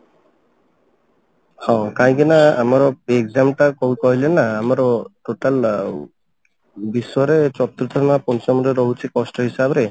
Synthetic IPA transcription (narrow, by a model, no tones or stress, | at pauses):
hɔ̃kaɦĩkinaamaɾɔeɡzamʈakoukɔɦilenaːmaɾɔʈoʈal | bisɔjɔɾet͡ʃɔt̪ɾut̪ɔmapɔnt͡ʃɔmɔɾeɾɔɦut͡ʃʰikɔsʈɔɦisabɾe